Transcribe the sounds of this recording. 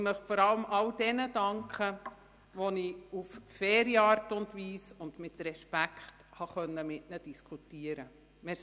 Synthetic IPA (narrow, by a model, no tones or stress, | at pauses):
mœχfɔɾɑləmɑld̥ɛnədɑŋkχə | ʋoniuffɛːɾiɑːɾtʊndʋiːsʊndmɪtɾɛʃpækχthɑχœnːəmɪtnəd̥iskʰutiəɾə | mɛ